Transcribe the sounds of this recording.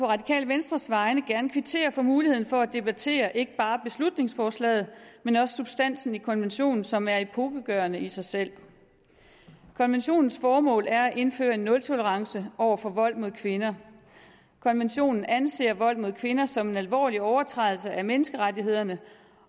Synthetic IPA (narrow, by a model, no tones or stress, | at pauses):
pʰɒ̽ʁɑ̈dikʰɛ̰ːlʋensd̥ʁɐsʋɑ̈ɪnəɡ̥æɐnkʰʋit͡sʰe̝̰ːɐfɒ̽muːlihen̩fɒ̽æd̥e̝b̥æt͡sʰe̝̰ːɐʔe̝ɡ̥əb̥ɑ̈ːb̥e̝slud̥ne̝ŋsfɒːslɛ̰ːð̞̩ˠmenɒ̽sə̥sub̥sd̥æn̰sn̩ikʰɒ̽nʋenɕo̝̰ːnn̩sɒ̽mæɐipʰoːɡ̥əɡ̥ɶɐnəisɑ̈ɪsel̰ | kʰɒ̽nʋenɕo̝̰ːnn̩sfɒːmɔ̰̽ːlæɐæʔe̝nfø̰ːɐe̝nːɔ̽lt͡sʰo̝ləʁɑ̈ŋsəʔɒʊ̰ɐfɒ̽ʋɒ̽l̰̥mo̝ðˠkʰʋe̝nɐ | kʰɒ̽nʋenɕo̝̰ːnn̩ænse̝̰ːɐʋɒ̽l̰mo̝ð̞ˠkʰʋe̝nɐsɒ̽me̝nælʋɒ̰ːliɒʊɐt͡sʰʁɑɪðl̩səʔæmenəsɡ̥əʁadiɦe̝ð̞̰ˠɐnə